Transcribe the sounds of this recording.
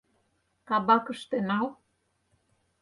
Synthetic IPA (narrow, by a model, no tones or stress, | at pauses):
kɑbɑkɤ̆ʃt̪enɑl